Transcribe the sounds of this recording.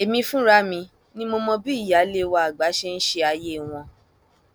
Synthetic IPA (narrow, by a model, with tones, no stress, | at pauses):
e˨mĩ˧fũ˦ɾa˦mĩ˧ | nĩ˦mo˧mɔ̃˧bi˦i˦˨ja˨˦le˦wa˧a˨ɡ͡ba˨˦ʃe˦n̩˦ʃe˧a˧je˦˨w̃ɔ̃˧